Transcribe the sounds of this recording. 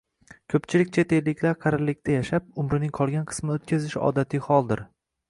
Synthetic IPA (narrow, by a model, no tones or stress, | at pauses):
kʲʰɵpt͡ʃʰɪlɪkʲt͡ʃʰet̪ʰe̞lːɪkʲʰlaɾqʰɑɾɪlːɪkʲt̪ʰajaʃap̚ʊmɾɪnɪŋqʰɒlˠɡʲanqʰɨ̥smot̪̚kʲʰazɪʃɒ̰d̪at̪ʰɪhɒlˠd̪ɪɾ